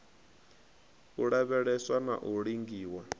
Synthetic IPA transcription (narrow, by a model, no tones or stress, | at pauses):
uɺaβɛɺɛswana̰ʔuɺiŋɡiːwa